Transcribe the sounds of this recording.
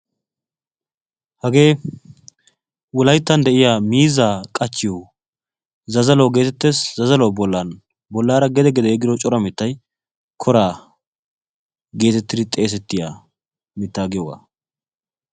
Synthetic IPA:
hɐɡe̞ː | wɔlɐjt̪ːɐnd̪ɛʔɪjamiːzaːkʼɐt͡ʃːɪjo | zɐzɐloːɡe̞ːt̪ɛt̪ːeːszɐzɐlɔwbɔlːɐn | bɔlːaːɾɐɡɛd̪ɛɡɛd̪ɛɛɡɪd̪ɔt͡ʃʼɔɾɐmɪt̪ːɐj | kʰɔɾaː | ɡe̞ːt̪ɛt̪ːɪd̪ɪt̪ʼe̞ːs̬ɛt̪ːɪja | mɪt̪ːaːɡɪjɔɡa̰ː

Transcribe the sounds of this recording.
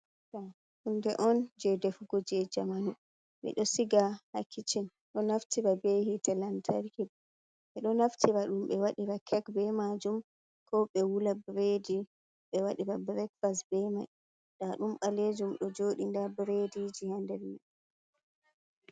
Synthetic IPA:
ta | hundɛʔɔnd͡ʒɛdɛfuɡɔd͡ʒɛd͡ʒamanu | ɓɛ̰ɗɔsiɡahakʰːit͡ʃin | ɗɔnaftiɾabehitɛlantʰaɾkin | ʔɛɗɔnaftʰiɾaɗumɓɛwaɗiɾakʰɛkbɛmad͡ʒum | kʰɔɓɛwulabɾedi | ɓɛwaɗibabɾɛkfasbɛmaj | ɗaɗumɓaled͡ʒumɗɔd͡ʒoɗindabɾedid͡ʒihandɛlmɛ

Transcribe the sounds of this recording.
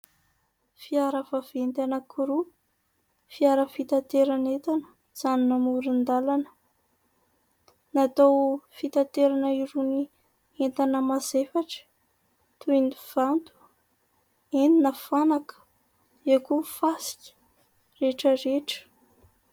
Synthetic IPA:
fiaɾəvav̥ent̪anəkʰuɾu | fiaɾəfit̪ant̪eɾanet̪anə̥ | z̥aninamuɾind̪alanə̥ | nat̪awfit̪at̪eɾanəiɾuni | ent̪anəmazefaʈ͡ʂə̥ | t̪ueniv̥ant̪u̥ | end̪inəfanakə̥ | ekufasi̥kʲə̥ | reʈ͡ʂəɾeʈ͡ʂə̥

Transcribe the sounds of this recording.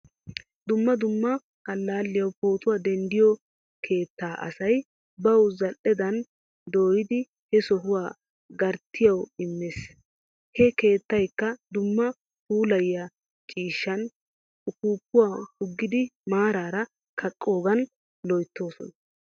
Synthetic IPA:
d̪ʊmːɐd̪ʊmːɐ | kʼɐlːaːlːɪjɐwpo̞ːt̪ʊwaːd̪ɛnd̪ɪjɔ | kʰe̞ːt̪ːaːʔɐ̰sɐj | bɐwzɐlʔɛd̪ɐn | d̪oːjɪd̪ɪ | hɛsɔɦʊwaː | ɡɐɾt̪ʰːɪjɐwɪmːeːs | hɛke̞ːt̪ːɐjkːɐd̪ʊmːɐ | huːlɐjːɐ | t͡ʃʼiːʃːɐn | ʊkuːpːʊwaːhʊɡːɪd̪ɪmaːɾaːɾɐ | kʰɐkʼːo̞ːɡɐn | lɔjt̪ːo̞ːsɔ̰nɐ

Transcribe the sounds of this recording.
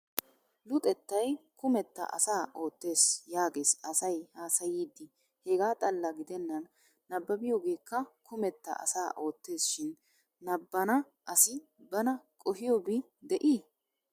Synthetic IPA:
lʊt̪ʼɛt̪ːɐjkʊmɛt̪ːɐ̰ʔɐ̰saːʔo̞ːt̪ːe̞ːsjaːɡe̞ːsɐsɐjhaːsɐjiːd̪ːɪ | hɛɡaːt̪ʼɐlːɐɡɪd̪ɛnːɐnː | ɐbːɐbɪjoːɡe̞ːkːɐkʰʊmɛt̪ːɐ̰ʔɐ̰saːʔo̞ːt̪ːe̞ːsʃɪnː | ɐbːɐnɐ | ʔɐsɪ | bɐnɐkʼɔhɪjobɪ | d̪ɛʔi

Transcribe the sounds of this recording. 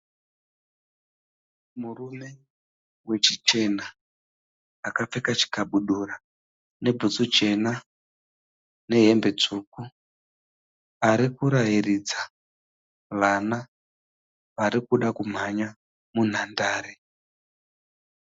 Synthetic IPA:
murume̞ | we̞t͡ʃit͡ʃe̞na | kap͡fekat͡ʃi̥kabuɗura | ne̞bʱut͡sut͡ʃe̞na | ne̞ɦe̞mbe̞t͡ʂuːku | aɾikuɾaɦirid͡za | ʋana | ʋaɾikuɗakum̤aɲa | mun̤andaːɾe

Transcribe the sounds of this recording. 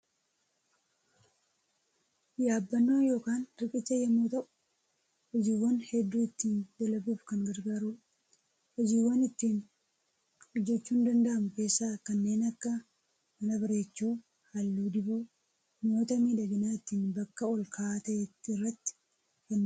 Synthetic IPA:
jaːbːɐnːo̞ːjo̞ːkaːnɪkʼɪt͡ʃːɐjɐmːuːt̪ɐʔʊ̥ | hɔd͡ʒiːwːɐnhɛd̪ːuːɪt̪ːiːnd̪ɛlɐbuːfkɐŋɡɐɾɡaːɾu | hɔd͡ʒiːwːɐnɪt̪ːiːn | hɔd͡ʒːɛt͡ʃːuːnd̪ɐnd̪ɐʔɐmʊke̞ːsːaːkɐnːe̞ːnɐkːɐ | mɐnɐbɐɾe̞ːt͡ʃːoː | hɐlːuːd̪ɪboː | mo̞ːt̪ɐmiːᶑɐɡɪnaːɪt̪ːiːnbɐkːɐɔlkʰaːt̪ɐʔɛt̪ːɪrːɐt̪ːɪ̥ | kɛnː

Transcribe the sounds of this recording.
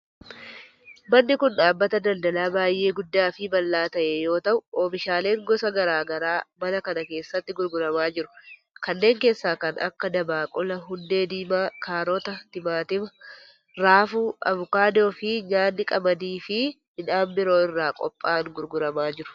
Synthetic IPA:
bɐnːɪkʊnᶑaːbːɐt̪ɐd̪ɐld̪ɐlaːbaːjːʔe̞ːɡʊd̪ːaːfɪbɐlːaːt̪ɐʔejo̞ːt̪ɐʔʊoːfɪʃaːle̞ːŋɡɔsɐɡɐɾaːɡɐɾaːbɐlɐkɐnɐke̞ːsːɐt̪ːɪɡʊɾɡʊɾɐmaːd͡ʒɪɾʊ̥ | kɐnːe̞ːŋke̞ːsːaːkɐnʔɐ̰kːɐd̪ɐbaːkʼɔlɐɦʊnd̪e̞ːd̪iːmaːkaːɾɔt̪ɐt̪ɪmaːt̪ɪmɐ | ɾaːfuːɐ̰vʊkaːd̪o̞ːfɪɲaːnːɪkʼɐbɐd̪iːfɪ | hɪᶑaːmbɪɾo̞ːɪrːaːkʼɔ̰pʼːaːŋɡʊɾɡʊɾɐmaːd͡ʒɪɾʊ̥

